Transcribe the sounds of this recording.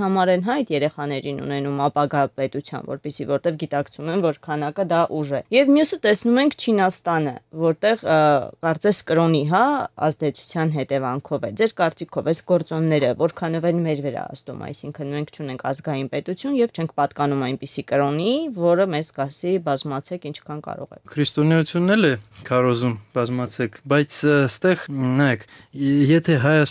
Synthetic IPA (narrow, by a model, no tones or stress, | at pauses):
hɑmɑɾɛnɦɑjt̪jɛɾɛχɑnɛɾinṵnɛnumɑpɑɡɑpɛt̪ut͡sʰjɑ̰nvɔ̰ɾpisivɔɾt̪ɛvɡit̪ɑkt͡sʰumɛnvɔɾkʰɑnɑkəd̪ɑʔuʒɛjɛvmjusət̪ɛsnumɛŋkʰt͡ʃʰinɑst̪ɑnə̰vɔɾt̪ɛʁkɑɾt͡sɛskəɾɔniɦɑɑ̰zd̪ɛt͡sʰu̥t͡sʰjɑnɦɛt̪ɛvɑŋkʰɔvɛ̰d͡zɛɾkɑɾt͡sikʰɔvɛsɡ̥ɔɾt͡sɔnːɛɾəvɔɾkʰɑnɔvɛnmɛɾvəɾɑ̰ɑ̰zt̪ṵmɑ̰jsiŋkʰənmɛŋkʰt͡ʃʰunɛŋkʰɑzɡɑjinpɛt̪ut͡sʰjunjɛvt͡ʃʰɛŋk̚ʰpɑt̪kɑnumɑjnpisikəɾɔnivɔɾəmɛzɡɑɾsibɑzmɑt͡sʰɛkint͡ʃʰkʰɑnkɑ̰ɾɔ̰ʁɛ̰kʰɾist̪ɔnɛut͡sʰjunːɛlɛkʰɑɾɔzumb̥ɑzmɑt͡sʰɛkʰbɑjt͡sʰst̪ɛʁnɑjɛkʰjɛt̪ʰɛɦɑjɑs